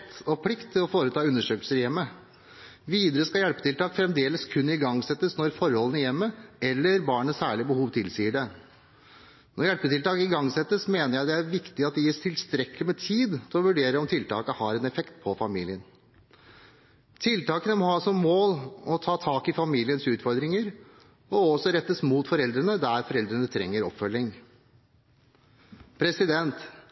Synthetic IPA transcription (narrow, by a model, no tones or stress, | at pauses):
t̪ɔpʰlɪkt̪t̪ʰːɪlɔfoːɾət̪ʰɑːʉnːəʂøːklsəɾjɛmːə | ʋiːd̪əɾəskɑjɛlpət̪ɪlt̪ɑːkfɾɛmd̪eːləskʰʉnːɪɡɑŋsɛt̪ːəsnɔɾfɔɾhɔlənəjɛmːəɛlːəɾbɑːɳəsæːɭɪbəhuːʋt̪ʰɪlsiːəɖɛ | nɔɾjɛlpət̪ɪlt̪ɑːkəɪɡɑŋːsɛt̪ːəsmeːnəɾjæɪd̪ɛæɾʋɪkt̪ɪɑt̪̚d̪ɛjiːst̪ʰɪlst̪ɾɛkəlɪmɛt̪ʰiːd̪t̪ʰɪlɔʋʉɖeːɾəɔmt̪ʰɪlt̪ʰɑ̰ːkəhɑɾɛnɛfɛkt̪pʰɔfɑmiːlɪən | t̪ʰɪlt̪ɑːkənəmɔhɑːsɔmːoːlɔt̪ʰɑːt̪ʰɑːkɪfɑmiːlɪənsʉːt̪fɔɾd̪ɾɪŋəɾ | ɔɔsɔɾɛt̪ːəsmuːt̪fɔɾɛld̪ɾənəd̪æɾfɔɾɛld̪ɾənət̪ʰɾɛŋːəɾɔpfœlɪŋ | pʰɾɛsɪd̪ɛnt̪